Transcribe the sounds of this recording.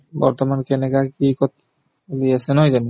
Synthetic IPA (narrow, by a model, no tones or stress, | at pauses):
bɔ̰ɹt̪ɔmankɛnɛkakikɔt̪̚ | liasɛnɔɦɔjzani